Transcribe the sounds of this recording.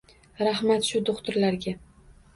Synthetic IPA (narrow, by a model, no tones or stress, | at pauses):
ɾahmat̪ʃʊd̪oqt̪ʊɾlaɾɡʲa